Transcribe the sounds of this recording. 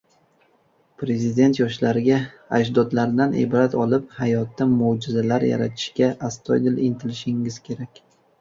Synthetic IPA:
pɾe̞zɪd̪e̞nt̪jɒʃlaɾɪɡʲa | ad͡ʒd̪ɒd̪laɾd̪anʔḛbɾat̪ʰɒlˠɪphajɒt̪ːamod͡ʒɪzalaɾja̰ɾa̰t̪ʰɪ̥ʃkʲaʔast̪ʰɒjd̪ɪlɪnt̪ʰɪlɪʃɪŋɪz̥kʲʰe̞ɾakʲ

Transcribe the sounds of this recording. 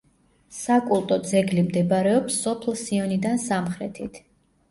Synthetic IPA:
sakʼulˠt̪ʼɔd̪zɛɡlimd̪ɛbaɾɛɔpsːɔpʰlsiɔnid̪ansamχɾɛt̪ʰit̪ʰ

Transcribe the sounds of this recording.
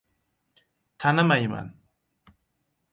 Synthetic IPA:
t̪ʰanamajima̰n

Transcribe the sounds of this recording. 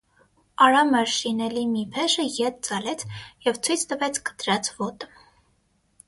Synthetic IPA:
ɑɾɑmɛɾʃinɛlimipʰɛʃəjɛt̪̚t͡sɑlɛt͡sʰjɛvt͡sʰujt͡sʰt̪əvɛt͡sʰkə̥t̪ɾɑt͡sʰvɔt̪ə

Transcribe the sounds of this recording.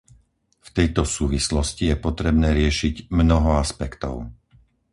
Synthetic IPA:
ft̪ɛjt̪ɔsuːʋislɔscijɛpɔt̪ɾɛbnɛːɾɪɛʃiɟmnɔɦɔaspɛkt̪ɔ̰ʊ

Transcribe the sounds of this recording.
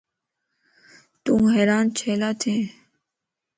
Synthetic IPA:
t̪umɦɛːɾaːnt͡ʃʰeːlaːt̪ʰẽː

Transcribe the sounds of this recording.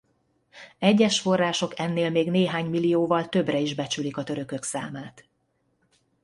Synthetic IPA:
ɛɟːɛʃfo̞rːaːʃo̞kɛnːeːlmeːɡneːɦaːɲmilijoːvɒlt̪ø̞brɛiʒbɛt͡ʃylikɒt̪ø̞ɾø̞kø̞ksaːmaːt̪

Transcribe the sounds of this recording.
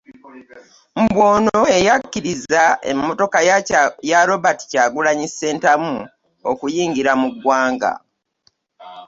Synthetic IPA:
m̩bwo̞ːno̞e̞jakːiɾizaḛmːo̞to̞kajaɾo̞βati̥caːɡulaɲise̞ːntamu | okujiːŋɡiɾamuɡwaːŋɡa̰

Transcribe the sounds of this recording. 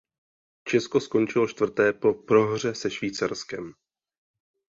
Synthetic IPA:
t͡ʃɛsko̞sko̞nt͡ʃɪlo̞ʃt̪vr̩t̪ɛːpo̞pɾo̞ɦr̝ɛsɛʃviːt͡saɾskɛm

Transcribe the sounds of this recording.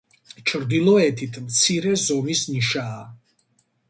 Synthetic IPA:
t͡ʃʰɾd̪ilɔɛt̪ʰit̪ʰmt̪sʰiɾɛzɔmisniʃaː

